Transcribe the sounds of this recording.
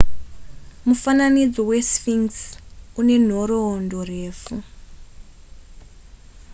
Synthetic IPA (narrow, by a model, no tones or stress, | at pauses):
mufananid͡zowesfiŋsune̞n̤oɾoːndoreːfu